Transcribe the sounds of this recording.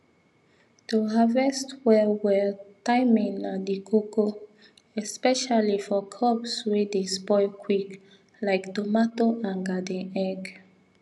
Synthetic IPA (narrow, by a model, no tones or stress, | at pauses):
d̥əɦavɛstwɛlwɛtaɪmĩŋnadikʰoko | ɛspɛʃalifɔkʰɔbswedespɔkʰwik | laɪktomatoʔãnɡadɛ̃ɛɡ